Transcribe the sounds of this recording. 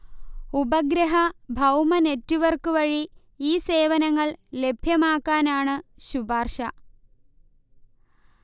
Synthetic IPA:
ubɐɡɾɐɦɐbʱɐwmɐne̞tːuʋɐrkɨʋɐɻi | iːse̞ːʋɐnɐŋːɐɭle̞bʱjɐmaːkːaːnaːɳɨɕubaːrʂɐ

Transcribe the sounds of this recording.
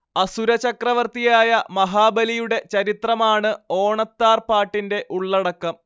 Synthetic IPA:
ɐsuɾɐt͡ɕɐkrɐʋɐrt̪ijaːjɐmɐɦaːbɐlijuɽe̞t͡ɕɐɾit̪rɐmaːɳɨo̞ːɳɐt̪ːaːrpaːʈːinde̞ʔuɭːɐɽɐkːɐm

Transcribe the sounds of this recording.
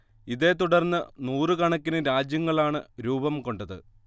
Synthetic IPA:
iðe̞ːt̪uɽɐrnːɨnuːrɨkɐɳɐkʲːinɨɾaːd͡ʑjɐŋːɐɭaːɳɨɾuːbɐmko̞ɳɖɐðɨ̰

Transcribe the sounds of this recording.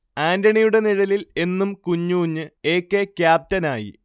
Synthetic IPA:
aːndɐɳijuɽe̞niɻɐlile̞nːumkuɲːuːɲːɨe̞ːkːe̞kʲjaːp̚tɐnaːjḭ

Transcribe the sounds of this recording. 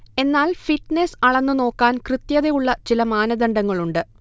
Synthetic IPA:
e̞nːaːlfiʈːnesɐɭɐnːɨno̞ːkːaːnkrɨt̪jɐðejuɭːɐt͡ɕilɐmaːnɐd̪ɐɳɖɐŋːɐɭuɳɖɨ

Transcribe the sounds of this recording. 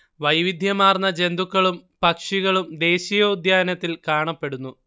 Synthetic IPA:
ʋɐjʋid̪ʱjɐmaːrnːɐd͡ʑe̞nd̪ukːɐɭumpɐkʂiɣɐɭumd̪e̞ːɕijoːd̪ʱjaːnɐt̪ːilkaːɳɐpːe̞ɽunːu

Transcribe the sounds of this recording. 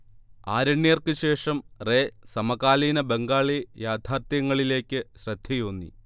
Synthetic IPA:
aːɾɐɳːjerkɨɕe̞ːʂɐmre̞ːsɐmɐkaːliːnɐbeŋɡaːɭijaːd̪ʱaːrt̪jɐŋːɐɭile̞ːkʲːɨɕrɐd̪̥ʱjɐjoːnːḭ

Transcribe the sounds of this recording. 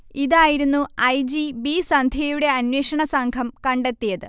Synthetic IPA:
iðaːjiɾunːuɐjd͡ʑibisɐnd̪ʱjɐjuɽe̞ɐnweːʂɐɳɐsɐŋɡʱɐmkɐɳɖe̞t̪ːijɐðɨ

